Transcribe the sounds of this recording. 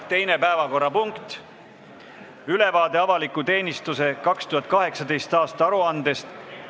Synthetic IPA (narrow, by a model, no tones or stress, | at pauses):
t̪e̞jne̞pæevɑko̞rːɑpuŋkt̪ | yle̞vɑːd̪e̞ɑvɑlikːˑut̪e̞ːnʲist̪use̞kɑkst̪uhɑt̪̚kɑɦe̞ksɑd̪e̞jst̪ɑːst̪ɑɑɾuɑnd̪̥e̞st̪